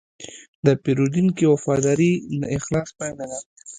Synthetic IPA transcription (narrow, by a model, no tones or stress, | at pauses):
d̪əpeɾud̪inkiwafɑd̪ɑɾinɪxlɑspajnana